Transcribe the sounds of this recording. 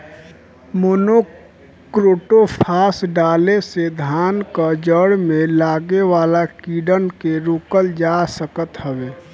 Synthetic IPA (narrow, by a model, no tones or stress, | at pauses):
mono | kɾoːʈopʰaːsɖaːlesed̪ʱaːnkad͡ʒəɽmẽlaːɡewaːlakiːɖənkeɾukəld͡ʒasəkət̪ɦəweː